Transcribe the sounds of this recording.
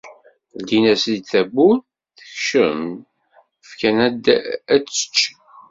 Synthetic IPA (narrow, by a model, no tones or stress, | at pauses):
d̪inæsid̪θæbun | θə̥çʃə̰m | fkænæd̪æt͡sːə̥t͡ʃː